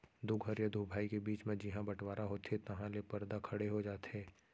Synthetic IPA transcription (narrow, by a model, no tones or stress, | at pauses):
d̪ʊɡʱɦəɾjəd̪ʱubʱaːikebiːt͡ʃmẽd͡ʒɪɦãbɐʈwaːɾʔaɦoːt̪et̪ɐɦãlepɐɾd̪akʰɐɽeɦod͡ʒaːt̪ɛː